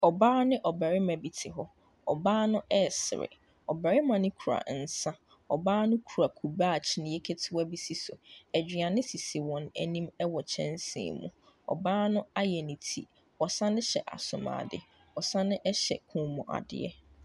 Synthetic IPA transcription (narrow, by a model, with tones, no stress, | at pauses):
ɔ˨baː˦nɪ̃˦ʔɔ˨bæ˨ɾɪ˦mɛ̃˨bi˨tʰɪ˨ɦɔ˦ | ɔ̰˨baː˦nʊ̃˦ʔɛ˦˨sɪ̰˨ɾɪ̰˨ | ɔ˨bæ˨ɾɪ˦mã˨nɪ̃˦kʰu˨ɾa̰˨n̩˨sã˦ | ɔ˨baː˦nʊ̃˦kʰu˨ɾa˨kʰu˨baː˦˨t͡ɕʰi˨˦nɪ̃˨jɛ˦kʰe˦tʰɪ˦wa˦bi˦si˦so˨ɛ˨d͡ʑᶣi˨a˨nɪ̃˦si˨si˨wɔ̃˨næ˨nĩ˦mɛ˦wɔ˨t͡ɕʰɛ̰̃˦nsɪ̰̃ː˨mũ˨ | ɔ̰˨baː˦nʊ̃˦a˦jɛ˨nĩ˨tʰi˦ | ɔ˨sã˦nɪ̃˦ɕɛ̰˨ʔa̰˨sʊ̃˨mã̰ː˨dɪ̰˨ | ɔ˨sã˦nɪ̃˦ʔɛ˦ɕɛ̰˨kʰũ˨mɔ̃˨ʔa̰˨dɪ̰˦ɛ̰˦